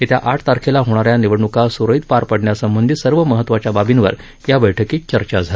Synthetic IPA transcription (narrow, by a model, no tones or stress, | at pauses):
et̪jaʔaʈʰt̪aɾkʰelaɦoɽ̃aɾjaniʋəɽɳukasuɾəit̪paɾpəɽɳjasəmbənd̪ʱit̪səɾʋəməɦət̪ːʋat͡ɕjababinʋə̰ɾ | jabəjʈʰəkiːt͡ɕəɾt͡ɕad͡zʱal